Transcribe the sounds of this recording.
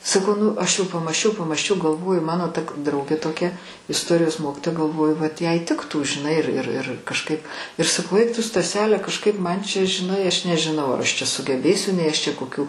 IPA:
sɐˈkɐʊ ˈnʊ ˈɐʃ jɛʊ pɐmɑːsʲˈt͡ʃʲɛʊ pɐmɑːsʲˈt͡ʃʲɛʊ ɡɐlˠˈʋoːjʊ ˈmɑːnoː ˈtɐ k ˈdrɐʊɡʲeː toːˈkʲɛ ɪsˈtoːrʲɪjoːs ˈmoːkʲɪtoːjɛ ɡɐlˠˈʋoːjʊ ʋɐt ˈjɛɪ ˈtʲɪktuː ʒʲɪˈnɐɪ ɪr ɪr ɪr kɐʃˈkɐɪp ɪr sɐˈkɐʊ ˈɛɪk ˈtʊ stɐˈsʲæːlʲɛ kɐʃˈkɐɪp ˈmɐn t͡ʃʲɛ ʒʲɪˈnɐɪ ˈɐʃ nʲɛʒʲɪˈnɐʊ ɐr ˈɐʃ t͡ʃʲɛ sʊɡʲɛˈbʲeːsʲʊ nʲɛɪ ˈt͡ʃʲɛ koːˈkʲuː

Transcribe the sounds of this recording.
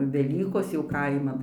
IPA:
ʋʲɛˈlʲiːkoːs jɛʊ ˈkɐɪmɐn

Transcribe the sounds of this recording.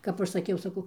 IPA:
ˈkɐp ɐʃ sɐˈkʲɛʊ sɐˈkɐʊ

